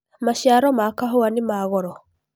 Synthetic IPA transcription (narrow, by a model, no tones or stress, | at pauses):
maʃjaɾɔmakaɦoanemaɣɔɾɔ